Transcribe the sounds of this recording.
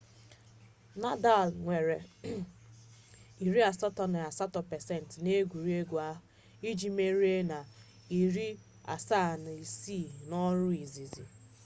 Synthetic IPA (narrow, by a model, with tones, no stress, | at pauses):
na˦da˦˨lŋʷe˨ɾe˨ | i˨ɾi˦a˨sɔ˦tɔ˨n˨a˨sa˦tɔ˨pɛ˨sɛ˦˨n˨tne˦ɡʷu˨ɾi˦e˦ɡʷu˨a˦ | i˦d͡ʒi˦me˦ɾi˦e˦na˨ | i˨ɾi˦ | a̰˨sa˦˨n˨i˨si˦˨nɔ˦ɾʊ˦i˨zi˨zḭ˨